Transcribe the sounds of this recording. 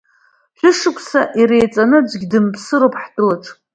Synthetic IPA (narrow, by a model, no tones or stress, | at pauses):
ħʷᶣʊʂɨkʷʰʼsaʔiɾejt͡sʼanɨd͡ʒʷɡʲdɨmpʰsɨɾowpʰʼħdɨlaʈ͡ʂʰʼ